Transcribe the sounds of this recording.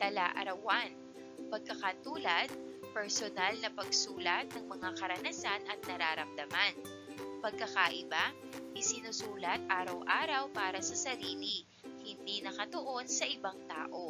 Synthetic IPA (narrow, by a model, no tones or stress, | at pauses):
t̪ɐlaʔɐ̰ɾɐwan | pɐɡ̚kɐkɐt̪uːlɐd̪̚pɛɹsonalnɐpɐɡsuːlɐt̪̚nɐŋmɐŋakɐɾɐnɐsanʔɐt̪̚nɐɾaːɾɐmd̪ɐman | pɐɡ̚kɐkaʔɪba | ʔɪsɪnusuːlɐt̪̚ʔaːɾɐwʔaːɾɐwpaːɾɐsɐsɐɾiːli | hɪnd̪inɐkɐt̪oʔo̞nsɐʔɪbaŋt̪a̰ːʔo̞